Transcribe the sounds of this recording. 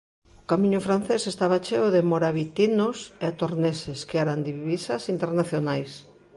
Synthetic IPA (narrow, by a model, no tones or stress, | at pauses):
ʊkamĩɲʊfɾan̟θesest̪aβat͡ʃeʊðemoɾaβit̪inoseat̪oɾneseskeɛɾand̪iβisɐsint̪eɾnaθjonajs